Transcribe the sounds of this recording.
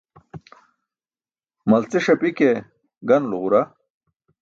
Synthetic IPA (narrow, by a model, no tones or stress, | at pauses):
mɐlt͡seʂɐpike | ɡɐnloʁuɾa